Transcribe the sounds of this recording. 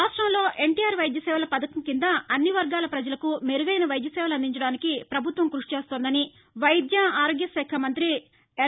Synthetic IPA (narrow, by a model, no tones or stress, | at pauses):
aːʂʈɾɐmlo̞ːʔe̞ɳʈiːjaːɾʋɐjd̪jɐsɛːʋɐlɐpɐd̪ɐkɐmkind̪ɐɐnːiʋɐɾɡaːlɐpɾɐd͡ʒɐlɐkumeɾuɡɐjnɐʋɐjd̪jɐsɛːʋɐlɐnd̪iɲt͡ʃɐɽaːnikipɾɐbʱut̪ʋɐmkɾuʂi̥t͡ʃeːst̪oːnd̪ɐni | ʋɐjd̪jɐaːɾoːɡjɐsɛːkʰɐmɐnt̪ɾi | e